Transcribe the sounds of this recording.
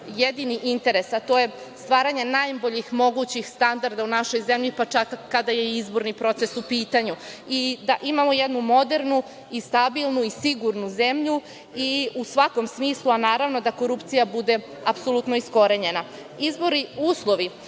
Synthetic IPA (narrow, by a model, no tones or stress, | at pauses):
jed̪iniʔint̪e̞ɾe̞sat̪o̞je̞ | st̪ʋaːɾaɲe̞najboʎixmo̞ɡut͡ɕixst̪and̪aɾd̪aunaʃo̞jze̞mʎipat͡ʃakːad̪aje̞izbo̞ɾnipɾo̞t̪se̞supiːt̪aɲuid̪aʔimamo̞jed̪numo̞d̪e̞ɾnu | ist̪abilˠnuisiɡuɾnuzemʎu | iusʋako̞msmiːslˠuanaːɾaʋno̞d̪ako̞ɾupt̪sijabud̪e̞ | apso̞lut̪no̞isko̞ɾe̞ɲe̞na | izbo̞ɾiuːslˠo̞ʋi